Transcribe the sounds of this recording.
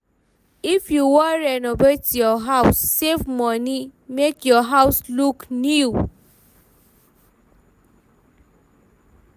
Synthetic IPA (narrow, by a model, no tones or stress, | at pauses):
ifjuwɔɹɛnɔvetjɔɦaʊsːevmɔ̃nĩmekjɔɦaʊsluknu